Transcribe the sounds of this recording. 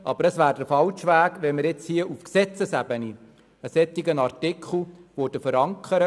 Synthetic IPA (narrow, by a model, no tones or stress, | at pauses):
ʔɑb̥əɾəsʋæːɾdəfɑlʃʋæːɡʋɛmːəɾjɪt͡shiəʔufksɛt͡səsæbəni | əsɛt̪iɡənɑrtɪkʰχl̩ˠʋod̥əfəɾɑŋkχəɾə